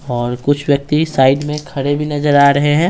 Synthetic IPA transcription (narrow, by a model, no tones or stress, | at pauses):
ɔːɾkʊt͡ʃʰʋjɐk̚t̪isaːɪɖmẽkʰɐɽebʱinɐd͡ʒəɾaːɾɐɦeɦɛ̃ː